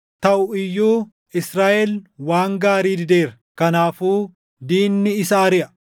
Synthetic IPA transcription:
t̪ɐʔʊɪjːuː | ʔɪsɾaːʔɛlwaːŋɡaːɾiːd̪ɪd̪e̞ːɾɐ | kɐnaːfuː | d̪iːnːɪɪsaːɐɾɪʔɐ

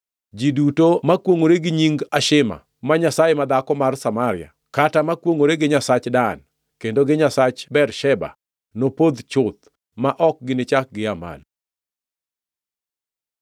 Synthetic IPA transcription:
d͡ʒidutomakwoŋoɾeɡɪɲiŋɡaʃɪma̰ | maɲasajemad̪akɔmarsamaɾɪ̰a̰ | katamakwoŋoɾeɡɪɲasat͡ʃdan | kendoɡɪɲasat͡ʃbɛrʃɛba̰ | nopod̪t͡ʃʊt̪̚ | maʔɔk̚ɡɪnɪt͡ʃak̚ɡɪama̰l

